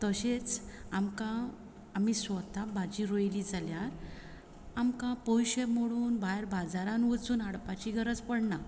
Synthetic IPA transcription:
t̪əɕet͡samkãː | misʋət̪abad͡ʑiɾojliːd͡zaljaɾ | amkãpojɕemoɽuːnbajɾbad͡zaɾãnʋət͡suːnaɽpat͡ɕiːɡʱəɾəd͡zpəɽna

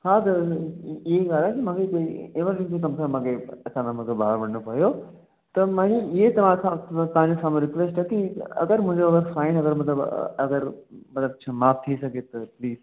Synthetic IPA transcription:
hãt̪ɐ | ɪɦeɡaːlɛkimãːkʰekoːiɪʋəɾlɪ̃d͡ʑĩk̬ɐmsãmãːkʰeɐt͡ɕãːnãmãkʰebaɦaɾʋɐɽnopɐijo | t̪ɐmãːiɪɦet̪ɐʋ̤ãsãt̪ɐʋãɲd͡ʑosãːmẽɾɪkʋeːsʈɛkiɐ̰ɡəɾmʊ̃ɪ̃ɲd͡ʑoɐʋəɾsaːɪnɐɡəɾmɐt̪̬ləbɐɡəɾmɐt̪ləbt͡ɕʰamaːpʰt̪ʰisɐɡʱet̪ɐpliːz

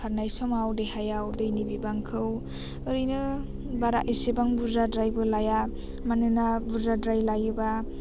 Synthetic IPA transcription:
aɾnajsɔmawdejɦajawdɯjnibibaŋkʰɯw | ɯɾɯjnɯ | baɾaʔisebaŋbuzadɾajbɯlaja | manɯnabuzadɾajlajɯba

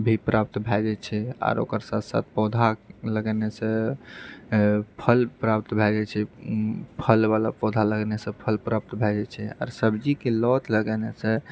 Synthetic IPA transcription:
bʱipɾʔap̚t̪bʱɛd͡ʒɛt͡ʃʰɛa̰ɾo̰kəɾsat̪ʰsa̰t̪̚ʰpɔd̪ʱaləɡɛnesẽ | pʰəlpɾapt̪bʱɛd͡ʒɛt͡ʃʰɛ | pʰəlbalapɔd̪ʱaləɡnesẽpʰəlpɾap̚t̪bʱɛd͡ʒɛt͡ʃʰɛa̰ːɾsəbd͡ʒikelɔt̪ləɡɛnesẽ

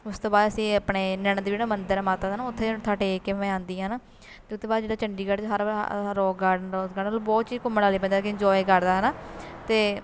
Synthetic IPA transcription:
ʊst̪õːbaːd̪əsĩːəpɳeːnɛɳd̪id͡ʒeːɽaːmənd̪əɾmaːt̪aːd̪ːnaːʊt̪ʰːeːt̪ʰaːʈeːkːeẽãːnd̪iːãːnaː | t̪eːʊt̪ʰːeːbaːd̪d͡ʒeːɽaːt͡ʃəɳɖiːɡəɽt͡ʃɦəɾ̰ɾɔːaːɖɾɔːsɡəɽːlbɔːt̪t͡ʃiːkʊmːəɽaːliːp̬ɛ̃nd̪akɪɲd͡ʒɔːikəɾd̪aːɦɛːnaːt̪eː

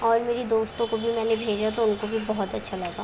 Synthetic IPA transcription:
ɔːɾmeːɾed̪oːst̪õkobʱimɛ̃ːnebʱeːd͡ʒat̪oʊnkobʱibɔɦɔt̪ɐtːʃʰalɐɡaː

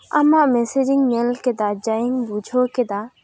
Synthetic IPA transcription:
ɐ̰mãmesed͡ʒiŋɡmelked̪ad͡ʒaiŋɡbud͡ʒʰoked̪a

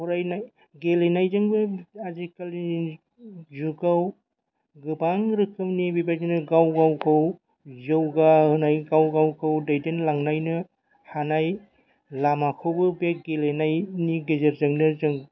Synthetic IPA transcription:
huɾajnaj | ɡelenajzɯŋbɯazikali | zuɡaw | ɡɯbaŋɾɯkʰɯmnibibajzinɯɡawɡawkʰɯw | zɯwɡaɦɯnajɡawɡawkʰawdajdenlaŋnajnɯ | hanaj | lamakʰɯwbɯbeɡelenajniɡezeɾzɐŋnɯzɯŋ

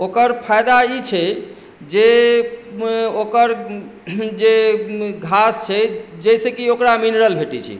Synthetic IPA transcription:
okəɾpʰajd̪ait͡ʃʰɛ | d͡ʒe | okəɾ | d͡ʒeɡʱast͡ʃʰɛd͡ʒəjsekiokɾaminɾəlbʱeʈit͡ʃʰḭ

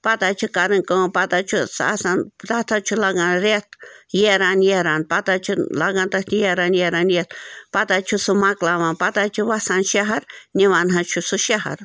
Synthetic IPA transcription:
pat̪at͡ʃʰukaɾɨŋkopat̪at͡ʃʰusa̰sant̪at̪ʰat͡ʃʰulaɡanɾet̪jeɾanjeɾanpat̪at͡ʃʰulaɡãnt̪at̪jeɾanjeɾanjet̪pat̪at͡ʃʰusumaklawãnpat̪at͡ʃʰuwasanʃaɦaɾniʋanɦat͡ʃʰusuʃaha̰ɾ

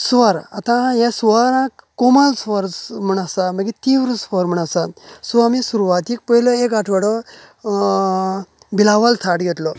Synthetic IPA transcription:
sʋəɾa̰t̪ãjesʋəɾãkkːomalsʋəɾm̤əɳ̃asaməɡit̪iʋɾsʋɔɾm̤əɳ̃asasuamisuɾuʋat̪ik̚pəiloek̬aʈʰʋəɽɔ | bilaʋalt̪ʰaʈɡet̪lɔ

